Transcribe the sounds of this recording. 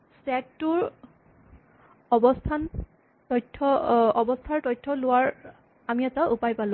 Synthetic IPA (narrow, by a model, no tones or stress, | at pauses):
sɛk̚tʊɹ | ɔbɔstʰan | tɔjtʰːɔɔbɔstʰaɹtɔjtʰːɔlʊwaɹ | amiɛtaʔupajpalʊ̃